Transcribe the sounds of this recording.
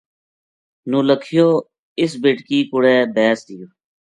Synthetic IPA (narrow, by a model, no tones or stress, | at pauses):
nũːləkʰɪjoː | ɪsbeːʈkiːkʊɽɛːbɛːsd̪ɪjoː